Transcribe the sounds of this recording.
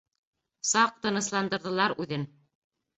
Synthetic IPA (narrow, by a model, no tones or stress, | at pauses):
sɑq̚t̪ɤ̆nɤ̆slˠɑnd̪ɤ̆ɾðɤ̆lˠɑɾʉðɘn